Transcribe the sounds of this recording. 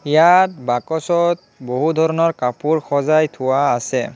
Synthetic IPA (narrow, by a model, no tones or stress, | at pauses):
ijat̚bakɔsɔt̚ | boɦudʱɔɹɔnɔɹkapuɹxɔzajtʰʊwaːsɛ